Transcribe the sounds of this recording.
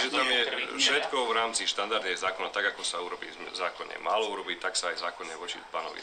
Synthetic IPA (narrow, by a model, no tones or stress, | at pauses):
ʒɛt̪amjɛfʃɛt̪kɔvɾaːmt͡siʃt̪and̪aɾd̪nɛzaːkɔnat̪aɡakɔsauɾɔbḭːzaːkɔɲɛ̰maːlɔuɾɔbiːt̪aksaajzaːkɔɲɛʋɔt͡ʃipanɔ̰ʋḭ